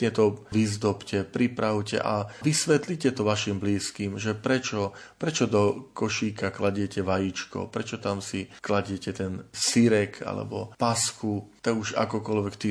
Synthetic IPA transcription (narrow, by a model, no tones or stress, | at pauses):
ɲɛt̪ɔʋizd̪ɔpcɛpɾipɾaʊcɛ̰ʔaʋisʋɛt̪licɛt̪ɔʋaʃimbliːskiːmʒɛpɾɛt͡ʃɔpɾɛt͡ʃɔd̪ɔkɔʃiːkaklaɟɪɛcɛʋajit͡ʃkɔ̰pɾɛt͡ʃɔt̪amsiklaɟɪɛcɛt̪ɛnsiɾɛkʰa̰lɛ̰bɔ̰pasxut̪aɡuʒa̰kɔkɔlʋɛkt̪i